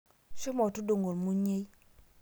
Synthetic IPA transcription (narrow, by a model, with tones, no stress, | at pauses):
ʃo˦mɔ˨tu˦do˨ŋɡo˨lmu˦ɲe˦j